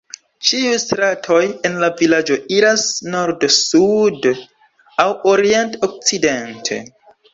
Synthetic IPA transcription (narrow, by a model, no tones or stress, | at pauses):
t͡ʃiujstɾatʰo̞je̞nlavilad͡ʒo̞iɾasno̞ɾdsud | awoɾiento̞k̚t͡side̞ntʰe̞̰